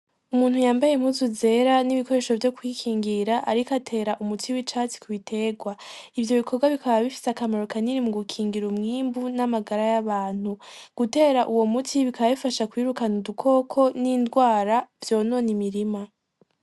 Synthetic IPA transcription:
umuːn̥hujaːmbajemhuzuze̞ɾaniβiko̞ɾe̞ːʃo̞vjo̞kwikʰiːŋɡiɾaʔaɾikatʰe̞ːɾaʔumutʰiwit͡ʃaːt͡si̥kʰuβitʰe̞ːɡwaivjo̞βikʰo̞ɡwaβikʰaβaβifi̥seakamaɾokaniɾimuɡukʰiːŋɡiɾumŋiːmbunamaɡaɾajaβaːn̥huɡ̥ute̞ːɾaʔuwo̞mutʰiβikaβaβifaʃakwiːɾukanudukʰo̞kʰo̞nindɡwaːɾavjo̞ːno̞ːnimiɾima

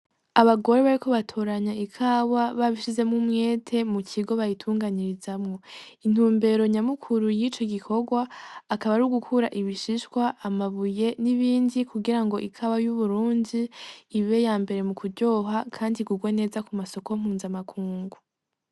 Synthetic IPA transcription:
aβaɡo̞ɾe̞βaɾiko̞βatʰoːɾaɲaikʰawaβaβiʃize̞mŋumŋe̞ːtʰe̞mucʰiɡo̞βajitʰuːŋɡaɲiɾizamŋo̞in̥huːmbe̞ɾo̞ɲamukʰuɾujit͡ʃo̞ɡikʰo̞ɡwaːkaβaɾuɡukʰuɾaʔiβiʃiʃwaʔːmaβuje̞niβiːndikʰuɡiɾaŋɡo̞ʔikʰawajuβuɾuːndiːβe̞jaːmbe̞ɾe̞mukuɾɟo̞ːɦakʰaːndiɡuɡwene̞ːzakumaso̞kom̥huːnzamakʰuːŋɡu

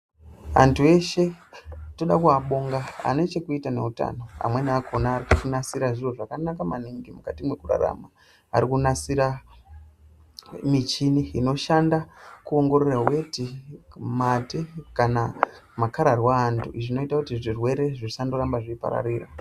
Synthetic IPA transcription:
a̰ntʰue̞ʃe̞to̞ɗakuaɓo̞ŋɡaa̰ne̞t͡ʃe̞kuitane̞̰uta̰no̞a̰mweniakʰonaːrikukunasiɾaʐiro̞ʐakanakamaniŋɡimukatimwe̞kura̰ɾa̰ma | a̰ɾikunasiɾa | mit͡ʃiniino̞ʃandakuo̞ŋɡo̞ɾerawe̞timatekanamakaɾarwaːntʰuiʐino̞itakutiʐirwe̞ɾe̞ʐirisandoɾambaʐiipa̰ɾa̰riːra

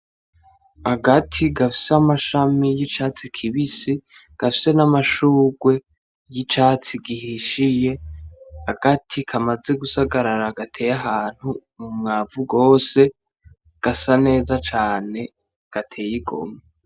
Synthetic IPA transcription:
aɡatʰiɡafi̥seamaʃamijit͡ʃaːt͡sikʰiβisi | ɡ̥afi̥se̞namaʃuːɡwe̞ | jit͡ʃaːt͡siɡihiʃije̞ | aɡatʰikʰamaze̞ɡusaɡaɾaɾaɡatʰe̞ːjaɦaːn̥humumŋaːvuɡo̞ːse̞ | ɡ̥asane̞ːzat͡ʃaːne̞ | ɡ̥atʰe̞ːjiɡo̞̰me

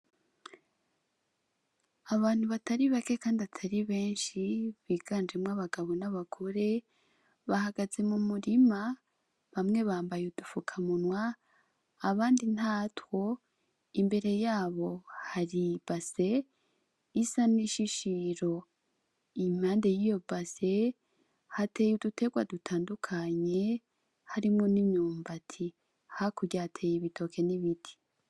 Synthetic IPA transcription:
aβaːn̥huβataɾiβake̞kaːndiatʰaɾiβe̞ːnʃiβiːɡaːnd͡ʒe̞mŋaβaɡaβo̞naβakʰoɾe̞ | βahaɡaze̞mumuɾima | βamŋe̞βaːmbajudufukʰamunwaː | βaːndin̥haːtwo̞ | imbe̞ɾe̞jaːβo̞haɾib̥ase̞ | isaniʃiʃiɾo̞ | imaːnde̞jijo̞base̞ | hate̞ːjudutʰe̞ɡwadutʰaːndukʰaɲe̞ | haɾimŋo̞nimɲuːmbatʰi | hakuɟahatʰe̞ːjiβitʰo̞kʰe̞niβitʰi̥

